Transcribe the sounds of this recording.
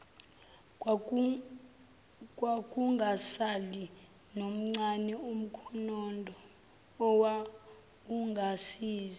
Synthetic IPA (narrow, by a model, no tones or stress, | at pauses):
kʼwakʼuŋʱasali | nom̩ŋ͡ǀanɛum̩kʰɔnɔndʱɔ | ɔwa | uŋɡʱasiːzi